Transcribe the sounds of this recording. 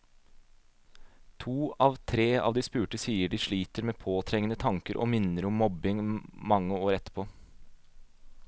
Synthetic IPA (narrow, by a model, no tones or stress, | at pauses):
t̪ʰuːɑːʋt̪ʰɾeːɑ̰ːʋd̪iːspʉːʈəsiːəɖiːʂɭiːt̪əɾmeːpʰoːt̪ʰɾɛŋənət̪ʰɑŋkəɾʔo̰ːmɪnəɾʊmːɔbɪŋmɑŋːəoːɾɛt̪ːə̥pʰoː